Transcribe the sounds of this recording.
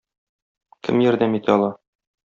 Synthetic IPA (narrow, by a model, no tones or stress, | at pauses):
kɘ̰mjæɾd̪æmit̪ʰæɒlˠɑ